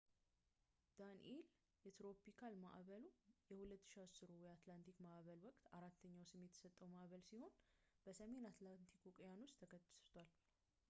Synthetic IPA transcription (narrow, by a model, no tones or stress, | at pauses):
d̪̥an̰ʔel | jɛt̪ɾo̞pikʰalma̰ʔβəlujɛhulət̪ːɨ̥ʃiasɨɾowjat̪lant̪ʰikmaʔβəlwɔkʼt̪aɾat̪ʰːəɲːawsɨmːjɛt̪ʰə̥sət̪ʼːəwmaʔβəlsiho̞nb̥əsəme̞nat̪lant̪ʰikʰukʼjanust̪ʰːəkʰət̪ʼːst̪ʰwal